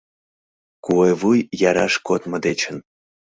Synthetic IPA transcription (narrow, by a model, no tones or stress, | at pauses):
kuevujjɑɾɑʂkot̪məd̪et͡ɕən